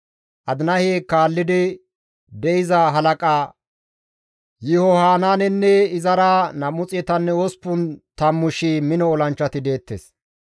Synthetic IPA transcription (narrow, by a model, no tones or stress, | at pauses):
ʔɐd̪ɪnɐheːkaːlːɪd̪ɪ | d̪ɛɪzɐɦɐlɐkʼaː | jɪhɔhaːnaːnɛnːɛɪzɐɾanɐmʊt͡sʼɛt̪ɐnːɛɔspːʊnt̪ɐmːʊʃimɪnɔɔlɐnt͡ʃːɐt̪ɪd̪e̞ːt̪ːḛːs